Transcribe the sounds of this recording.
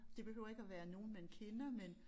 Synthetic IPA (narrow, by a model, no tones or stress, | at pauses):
d̥e̝b̥e̝høʊ̰ɐe̝ɡ̥æʋæːɐno̝ːn̩menkʰenɐmen